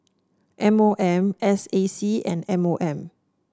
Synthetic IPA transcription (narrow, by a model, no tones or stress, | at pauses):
ʔɛ̃moʔɛ̃mɛsesiɛ̰̃nɛ̃moʔɛ̃m